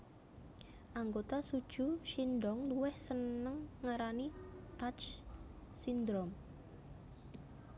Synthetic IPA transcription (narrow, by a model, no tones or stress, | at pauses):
ʔaŋɡot̪asud̥ʒ̥ṳʃinɖɔŋluwɛhsənəŋːaɾanit̪at͡ʃ | sind̪ɾom